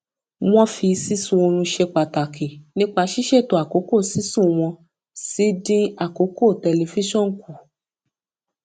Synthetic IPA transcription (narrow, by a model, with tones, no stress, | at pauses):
w̃ɔ̃˦fi˧si˦sũ˦˧o˧ɾ̃ũ˧ʃe˧k͡pa˨ta˨kʰi˨nĩ˦k͡pa˧ʃi˦ʃɛ˦˨to˨a˨ko˨˦ko˦˨si˦sũ˦˨w̃ɔ̃˧ | si˨˦dĩ˦a˦˨ko˨˦ko˦˨tɛ˨˧le˨˧fi˦ʃɔ̃˦˨n̩˨ku˨